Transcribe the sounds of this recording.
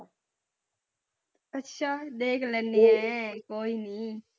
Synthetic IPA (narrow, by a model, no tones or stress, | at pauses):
ətːʃʰaːɗeːkʰlənːiːɦɛkoːiːniː